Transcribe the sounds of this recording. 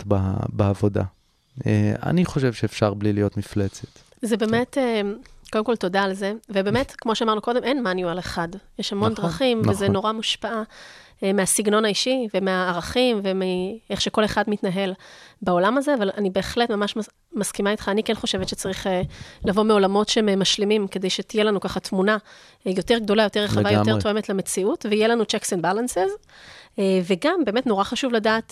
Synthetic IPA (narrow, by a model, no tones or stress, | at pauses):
ba̰baavoda̰ | ea̰niχo̞ʃevʃeːfʃaʁblilijo̞t̪miflet͡se̥t̪ | zebeme̞tekod̪emkoltodaːlze̞vebeme̞tkmo̞ʃeamaʁnuko̞demʔenmanjualeχadjeʃhamo̞ndʁaχimvezeno̞ʁamuʃpaʔa | measiɡno̞naiʃivemeaːʁaχimvemieχʃeko̞le̞χadmitnaɦe̞lbao̞lamazeavalanibe̞ːχletmamaʃma | maskimait̪χaːnikenχo̞ʃe̞vetʃet͡saʁiχelavo̞meo̞lamo̞tʃemmːaʃlimimked̪ejʃet̪ijelanukaχatmuna | jo̞te̞ʁɡ̚do̞lajo̞teʁeχavajot̪e̞ʁt̪ʰo̞e̞metleme̞t͡siutveijelanut͡ʃeksenbalansez | veɡambe̞ːme̞tno̞ʁaχaʃuvladaːt